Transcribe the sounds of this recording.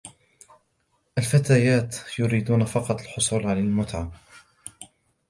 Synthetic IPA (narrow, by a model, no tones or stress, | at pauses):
ʔalfat̪aːjaːt̪jʊɾiːd̪uːnafɑqɑt̪ˤalħʊsˤuːlʕalalmʊt̪ʕam